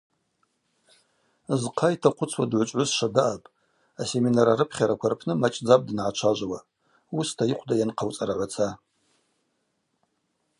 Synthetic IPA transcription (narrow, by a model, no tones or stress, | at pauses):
zqʰajtʰaqʷʰʊt͡sʰwadʕʷt͡ʃʷʼʕʷʊsʂadaʔapʼ | ase̞minaɾaɾɨpʰχʲaɾakʷʰarpʰnɨmat͡ʃʼd͡zapʼdɨnʕat͡ʃʷʰaʒʷwa | ustʰaiqʷʰdajanqʰawt͡sʼaɾaʕʷat͡sʰa